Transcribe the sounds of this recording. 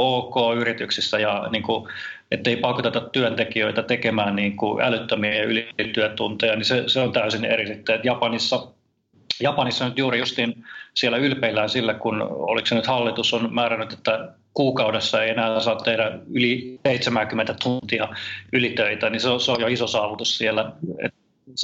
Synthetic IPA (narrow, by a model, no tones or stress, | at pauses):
oːkoːyrit̪yksisːæjɑniːŋkuʔet̪ːeipɑkːot̪et̪ætt̪yønt̪ekiøit̪æt̪ekemæːnniːŋkuʔæ̰lyt̪ːømieɑylit̪yøt̪unt̪ejɑniseseont̪æysinḛrisit̪ːyet̪jɑpɑnisːɑ | jɑpɑnisːɑnyt̪juːrijust̪insielːæylpeilːæːnsilːækuno̰liksenyt̪hɑlːit̪usonmæːrænyt̪et̪ːæ | kuːkɑudesːɑeienæːsɑːnt̪ehɾæyliseit̪semæŋkymːent̪æt̪unt̪iɑylit̪øit̪æniseoseojoisosɑːʋut̪ussielːæḛt̪